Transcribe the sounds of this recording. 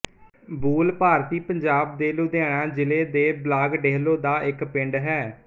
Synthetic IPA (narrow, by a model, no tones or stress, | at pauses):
buːlpaːɾt̪iːpəɲd͡ʒaːb̚d̪eːluːd̪eaːɽ̃aːd͡ʒɪleːd̪eːblaːɡɖeːɦloːd̪aːʔɪkpɪ̃ɳɖɦɛː